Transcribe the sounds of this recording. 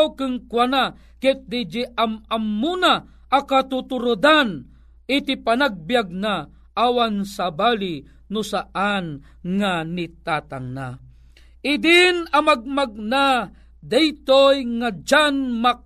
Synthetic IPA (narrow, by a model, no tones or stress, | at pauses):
wkɨŋkwana | kɛt̪̚d̪id͡ʒiʔamamːuna | ʔakat̪ut̪uɾʊd̪an | ɪt̪ipanaɡ̚bijaɡ̚na | ʔawansabali | nʊsaʔan | ŋanit̪at̪aŋna̰ | ʔɪd̪inamaɡ̚maɡ̚na | d̪ɛjt̪ojŋad͡ʒanma